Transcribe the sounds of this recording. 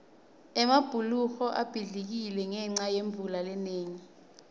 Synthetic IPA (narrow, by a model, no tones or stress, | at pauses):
ɛmab̥ʱuluxɔʔab̥ʱiɮik̬ilɛŋɛŋ͡ǀajeɱvulalɛneːŋi